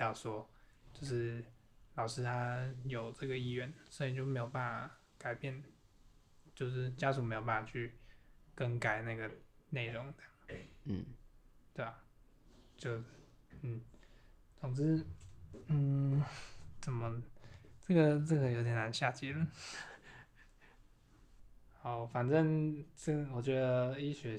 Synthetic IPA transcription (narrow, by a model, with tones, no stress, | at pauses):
ɑ˥˩ʊʂwɔ˥t͡ɕjo˥˧ʊʂɻ̩˥˩ | lɑ˨˩ʊʂɻ̩˥t̪ʰa˥jo˨˩ʊʈ͡ʂɤ˥˩ɡə˩i˥ɥɛ˥˩nswɔ˧˥i˨˧i˨t͡ɕjo˥˩ʊme˧˥jʊpa˥˩na˩ | ka˨˩ɪpjɛ˥˩n | t͡ɕjo˥˧ʊʂ̬ɻ̩˥˩t͡ɕja˥ʂu˨˩me˧˥jpa˥˩a˨˩t͡ɕʰy˥˩kə˥nka˨˩ɪna˥˩ɡə˩ne˥˩ɪɻʊ˨˦ŋt̪ə˧˥˩ŋn̩˥˩t̪we˥˩ɪa˩ | t͡ɕjo˥˧ʊ˥˩ | n̩˥˩ | t͡sʰʊ˨˩ŋt͡s̩˥ | n̩˥˩ | t͡sə˨˩nmə˧˦ʈ͡ʂə˥˩ɡə˨˩ʈ͡ʂə˥˩ɡə˧jo˧˥ʊt̪jɛ˨˩na˧˥nɕja˥˧˩t͡ɕi˥˩lə˨˩ | xɑ˨˩˦ʊfa˨˩nʈ͡ʂə˥˧ŋʈ͡ʂə˥˩ɡə˩wɔ˨˩t͡ɕɥɛ˧˥d̪ə˧i˥ɕɥɛ˧˥